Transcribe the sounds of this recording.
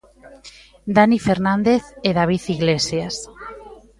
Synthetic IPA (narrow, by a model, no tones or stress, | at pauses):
d̪anifeɾnand̪eθeðaβ̞iθiɣlesjas